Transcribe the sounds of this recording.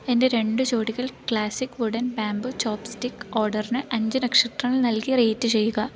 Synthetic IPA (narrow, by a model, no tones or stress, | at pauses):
e̞nde̞ɾe̞ɳɖɨt͡ɕoːɽiɣɐɭkɭaːsikːʋuɽɐnbaːmbut͡ɕoːpstikːoːrɖɐrnɨʔɐɲd͡ʑɐnɐkʂɐʈ̪rɐŋːɐɭnɐlkireːtːɨt͡ɕe̞jːuɣɐ